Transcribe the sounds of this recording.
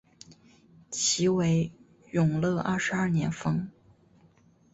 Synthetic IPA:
t͡ɕʰi˧˥we˧˥ɪ | jʊ˨˩ŋlɤ˥˧ʔɐ̰˥˩ʂɻ̩˧˥ɐ˥˩njɛ˧˥nfɤ˥ŋ

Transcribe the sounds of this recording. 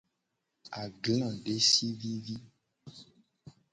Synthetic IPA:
a˨ɡlã˨ɖe˦si˦vi˦vi˦

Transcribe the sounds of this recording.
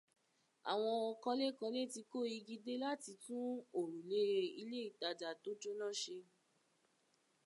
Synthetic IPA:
a̰˨w̃ɔ̃˧ɔ˧kɔ̃˧le˦kɔ̃˧le˦˨ti˧ko˦˨i˧ɡi˧de˦la˦ti˧tũ˦o˦˨ɾũ˨le˦˧i˧le˦i˦˨ta˧˨d͡ʒa˨to˨˦d͡ʒo˦nã˦˨ʃe˧

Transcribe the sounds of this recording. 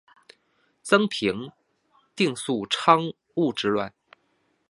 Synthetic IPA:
t͡sɤ˥ŋpʰi˧˥ŋ | t̪i˥˧ŋsu˥˩ʈ͡ʂʰɑ˥ŋ | u˥˩ʈ͡ʂɻ̩˧lwa˥˩n

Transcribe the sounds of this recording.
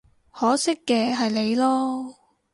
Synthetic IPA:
hɔː˨˥sɪ˥kːɛː˧ɦɐ˨jle˨˧jlɔː˥

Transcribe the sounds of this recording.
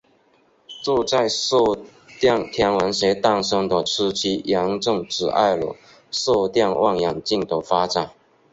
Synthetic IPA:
t͡swɔ˥˧t͡sa˥˧ɪso˥˧ | t̪jɑ˥˩ŋt̪ʰjɑ˧˥ŋwa˧˥nɕɛ˧˥t̪a˥˩ŋʂɤ˥ŋd̪ə˨ʈ͡ʂ̩ʰ˥t͡ɕʰi˥jɑ˧˥ŋʈ͡ʂɤ˥˧ŋʈ͡ʂɻ̩˨˩a̰˥˩ɪlo̰˨˩ | so˥˧t̪jɑ˥˧ŋwʔɑ˥˩ŋjɑ˨˩ŋt͡ɕi˥˩ŋt̪o˧˥fa˥ʈ͡ʂa˨˩n

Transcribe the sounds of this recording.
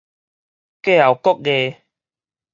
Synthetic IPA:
ke˦˨a˨˩wkɔ˦k̚ɣe˧

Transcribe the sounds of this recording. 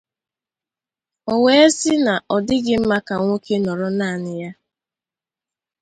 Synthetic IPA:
o˨we˦e˦sɪ˦na˨ʔɔ˨dɪ˦ɡɪ˦m̩˦ma˦ka˨ŋʷo˦kʰe˦nɔ˨ɾɔ˨na˦˨nɪ˨ja˦

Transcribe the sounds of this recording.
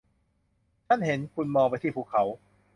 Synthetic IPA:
t̪ʰa˥˩nhe˩˦nkʰu˧nmɔː˧ŋpa˧jt̪ʰiː˥˩pʰuː˧˩kʰa˩˦w

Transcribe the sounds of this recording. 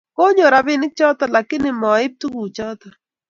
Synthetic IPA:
ko˦ɲo˨ɾa˨bɪ˦nɪ˦k̚t͡ʃɔ˦t̪ɔ˨la˨kɪ˦nɪ˨mɔ˨ɪ˦p̚t̪u˦ɡu˨t͡ʃɔ˦t̪ɔ˨

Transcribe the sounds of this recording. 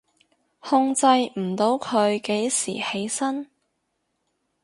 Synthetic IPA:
hʊ˧ŋt͡sɐ˧jm̩˨˩t̪o˨˧wkʰɵ˨˧ɥke˨˥jsḭː˨˩he˨˥jsɐ˥n

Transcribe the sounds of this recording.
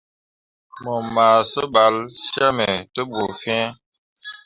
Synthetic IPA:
mə˨maː˨sə˦ɓa˨˦lsa˦mɛ˨tə˦bu˨fɛ̃˦

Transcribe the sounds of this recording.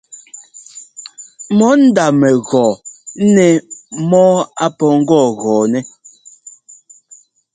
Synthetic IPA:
mɔ˨˦n̩˦da˨mɛ˨ɣɔː˨˦nɛ˨mɔː˦a˦pɔ˨ŋ̩˦ɡɔː˦˨ɣɔː˨nɛ˦

